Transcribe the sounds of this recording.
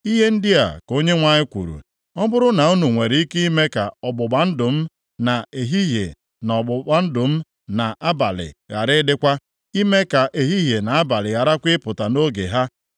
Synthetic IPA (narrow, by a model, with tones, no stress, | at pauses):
i˦ɦe˦n̩˦dɪ˦a̰˨ko˦ɲe˦ŋʷa˨ɲɪ˦kʷṵ˨ɾṵ˨ | ɔ˦bʊ˦ɾʊ˦na˨u˦nu˨ŋʷe˨ɾi˦ke˦i˦me˦ka̰˨ɔ˨bʊ˨ɡ͡ba˨n̩˦dʊ˨m̩˦ | na˨e˨ɦi˦ɦjḛ˨ | nɔ˨ɡ͡bʊ˨a˨n̩˦dʊ˨m̩˦ | na˨ʔa˦ba˨lɪ̰˨ɣa˨ɾɪ˦dɪ˦kʷa˦ | i˦me˦ka˨ʔe˨ɦi˦ɦje˨na˨a˦ba˨lɪ˨ɣa˨ɾa˦kʷɪ˦pʊ˨ta˨no˦ɡḛ˨ɦa˦